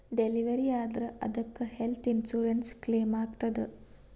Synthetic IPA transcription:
ɖeliʋɐɾiaːd̪ɾɐʔɐd̪ɐkːɨhelt̪ʰinsuːɾɐnskleːmaːɡt̪ɐd̪ɨ

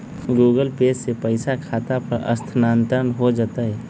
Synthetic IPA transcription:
ɡuːɡəlpeːssepəɪsakʰaːt̪apəɾʔə̰st̪ʰnaːnt̪əənɦod͡ʒat̪aɦɛ

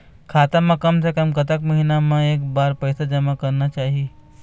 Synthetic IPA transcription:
kʰaːt̪amːãkəmsekəmkət̪əkməɦinamãeːkbaːɾpəjsad͡ʒəmakɐɾnat͡ʃaːɦie

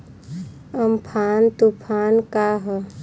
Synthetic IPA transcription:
əmpʰaːnt̪upʰaːnkaɦə

